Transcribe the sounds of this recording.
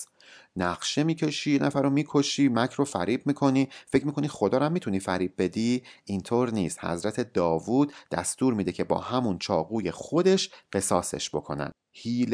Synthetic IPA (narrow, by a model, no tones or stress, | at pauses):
næɣʃe̞miːcʰe̞ʃijenʔæfæɾomiːkʰo̞ʃiːmæcʰɾofæɾiːbmiːkʰo̞niːfe̞cʰmiːkʰo̞nixo̞d̪ɒːɾæmːit̪ʰuniːfæɾiːb̚be̞d̪iʔint̪ʰoːɾniːst̪hæ̰zɾæt̪ʰe̞d̪ɒːvuːd̪̥̚d̪æ̰st̪uːɾmiːd̪e̞cʰe̞bɒ̰ːhæmunt͡ʃʰɒːɣuːje̞xod̪e̞ʃɢe̞sɒːsḛʃb̥o̞kʰo̞̰næ̰d̪̥̚hiːl